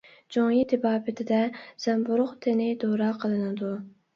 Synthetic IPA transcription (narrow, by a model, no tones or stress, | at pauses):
d͡ʒoŋjit̪ʰɪbɑːpɪt̪ʰɪd̪ɛz̥ɛmbuɾʊqt̪ʰɪnɪd̪oɾɑːqʰəlˠɨnɨd̪u